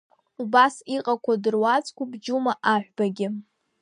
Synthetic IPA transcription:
ubasiqʼakʷʰadɨrwat͡sʼkʷʰabd͡ʒumaʔaħᶣʷbaɡʲɪ

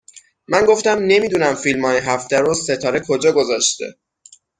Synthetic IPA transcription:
mænɡoft̪æmne̞miːd̪unæmfilmɒːjeɦæft̪æɾose̞t̪ʰɒːɾe̞kʰo̞d͡ʒɒːɡo̞zɒːʃt̪e̞̰

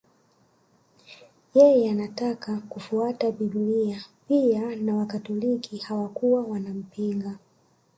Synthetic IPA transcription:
jɛjɛanatakakufuatabibliapianawakatɔlikihawakuwawanam̩piŋɡa

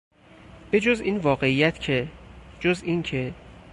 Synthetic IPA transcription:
b̥e̞d͡ʒoziːnvɒːɣe̞ijæt̪ʰcʰed͡ʒozincʰe

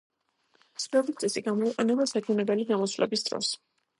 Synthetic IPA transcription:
svɛlist̪ʼɛsiɡamɔiqʼɛnɛbasat͡ʃʰunɛbɛliɡ̪amɔsvlʔɛ̰bisd̪̥ɾɔ̰s

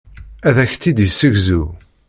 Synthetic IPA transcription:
æðæçt̪ːid̪əsːəʝzu

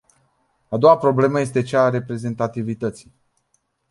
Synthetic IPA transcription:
ad̪o̞wapɾo̞ble̞məje̞st̪e̞t͡ʃaːɾe̞pɾe̞ze̞nt̪at̪ivit̪ət̪sij

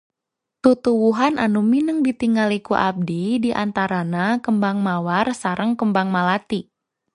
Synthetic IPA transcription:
t̪ut̪uwuɦanʔanuminəŋbit̪iŋɡalikuʔab̚didiʔant̪aɾanakəmbaŋmawarsaɾʔəŋkəmbaŋmalat̪i

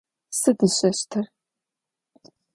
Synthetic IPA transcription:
sɨdɨɕʼɐɕtʰɨr

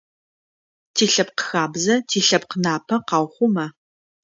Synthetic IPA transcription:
tʰiːɬɐpqəxaːbzɐtʰiːɬɐp̚qənaːpʰɐqɑːwχʷʊmɐ

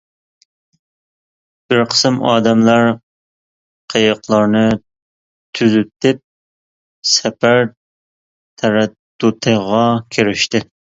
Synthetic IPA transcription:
b̥ɪɾqʰə̥sɨmɑːd̪ɛmlɑɾ | qʰejəqlˠɑɾnɨ | t̪ʰyzyp̚t̪ɪp̚ | sɛpæɾ | t̪ʰɛɾɛt̪ːut̪ʰəʁɑkʲʰeɾɪʃt̪ɪ

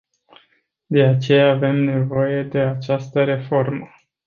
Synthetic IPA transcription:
d̪e̞at͡ʃe̞jaːve̞mne̞vo̞je̞d̪e̞at͡ʃast̪əɾe̞fo̞rmə

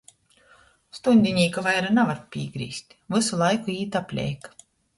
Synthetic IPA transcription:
st̪unʲd̪ʲinʲiːkavajɾanavaɾpʲiːɡɾḭːst̪ʲ | vɨsulˠajkuiːt̪apʲlʲɛ̰jk

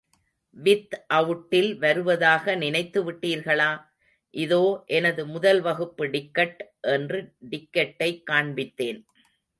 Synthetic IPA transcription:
ʋɪt̪ʔɐʋɯʈːɪlʋɐɾɯʋɐðaːɣɐnɪnɐɪt̪ːɯʋɪʈːiːɾɣɐɭaː | ʔɪðoːʔɛnɐðɯmʊðɐlʋɐɣɯpːɯɖɪkːɐʈʔɛndrɯɖɪkːɐʈːɐɪkːaːɳbɪt̪ːeːn

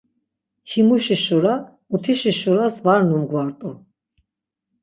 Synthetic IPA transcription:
himuʃiʃuɾa | ut̪ʰiʃiʃuɾasvaɾnumɡwaɾt̪ʼɔ

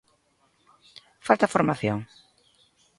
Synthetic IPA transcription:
falt̪afoɾmaθjoŋ

